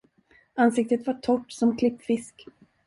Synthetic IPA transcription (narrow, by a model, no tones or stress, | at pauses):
ansɪk̚t̪ət̪vaʈʰɔʈːsɔmkʰlɪpːfɪsk